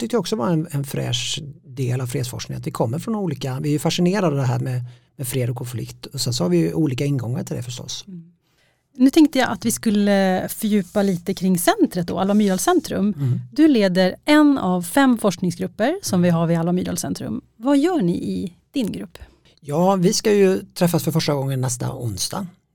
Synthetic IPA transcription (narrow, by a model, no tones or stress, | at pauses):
t̪ʰʏk̚t̪əjaɔksɔvaɛnɛnfɾɛ̰ːʂd̪eːlavfɾeːd̪sfɔ̰ʂknɪ̰ŋat̪vɪkʰɔmːəɾfɾɔnuːliːkavɪɛɾjɵfaʂɪneːɾad̪əd̪ɛɦæ̰ːɾmɛ | mɛfɾeːd̪ɔkʰɔnflɪ̰kt̪ʰɔsɛnsɔhaɾvɪjʔuːliːkaɪnːɡɔŋːaʈʰɪld̪ɛ̰fəʂʈɔ̰s | nʉ̟t̪ʰɛŋkt̪əjaʔat̪vɪskɵlːəfœɾjʉ̟ːpaliːt̪əkʰɾɪŋːsɛnt̪ɾət̪̚d̪ɔ̰alamyːɾɑlsɛnt̪ɾɵ̰md̪ɵleːd̪əɾʔɛnavfɛmfɔʂknɪŋsɡɾɵpːəɾsɔmvɪɦavɪalːamyːɾɑ̰lsɛ̰nt̪ɾɵ̰m | vajœːɳɪ̰ʔɪ | d̪̥ɪnɡɾɵpː | jɑːvɪskajɵt̪ʰɾɛfːasfœɾfœʂʈaɡɔŋːənːɛst̪a̰ʊnsd̪a̰